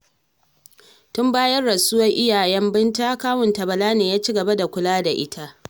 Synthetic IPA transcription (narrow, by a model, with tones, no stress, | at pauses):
tʊ˦mbaː˦jɐ˦rːɐ˨sʊ˦wɐ˦ŋʔɪ˦jaː˨jɛ˦mbɪ˦nta˦kaː˦wʊ˨ntɐ˨bɐ˨laː˦neː˨jaː˦t͡ʃi˦ɡɐ˨ba˦da˨kʷʊ˦laː˦da˨ʔɪ̰˦tʰa˦ʔ